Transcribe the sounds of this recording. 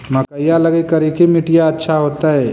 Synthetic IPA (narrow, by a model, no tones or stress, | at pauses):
mɐkəjalɐɡekɐɾikimɪʈɪjaɐtːʃʰaɦoːt̪aɦɛː